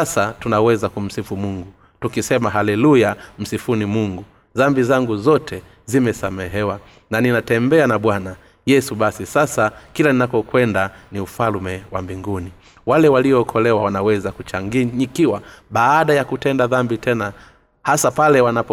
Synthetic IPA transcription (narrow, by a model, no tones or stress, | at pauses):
asatunawɛzakum̩sifumuŋɡu | tukisɛmaɦalɛlujam̩sifunimuŋɡu | ðambizaŋɡuzɔtʰɛ | zimɛsamɛɦɛwa | naninatɛmbɛanaɓwana | jɛsuɓasisasakilaninapɔkwɛndaniufalmɛwa̰mbiŋɡuni | walɛwaliɔːkʰɔlɛwawanawɛzakut͡ʃaŋɡiɲikiwaɓaːɗajakutɛndaðambitɛna | hasapalɛwanap